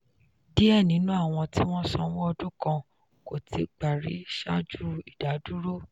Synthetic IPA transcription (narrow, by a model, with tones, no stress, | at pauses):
di˦ɛ˦˨nĩ˨˦nũ˦a˦˨w̃ɔ̃˧ti˦w̃ɔ̃˦sɔ̰̃˧wɔ̃˦ɔ˧dũ˦kã˧ | ko˨ti˨˧˦ɡ͡ba˨ɾḭ˨˦ʃa˦d͡ʒu˦i˨da˨˦du˦ɾo˦˨